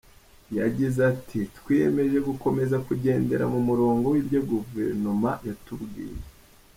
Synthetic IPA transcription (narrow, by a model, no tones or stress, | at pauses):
jaɟizatʰitwieme̞ʒe̞ɡuko̞me̞zakuɟe̞ːnde̞ɾa̰mumuɾoːŋɡo̞wibɟaɡuvḛɾnomajatubɡḭːje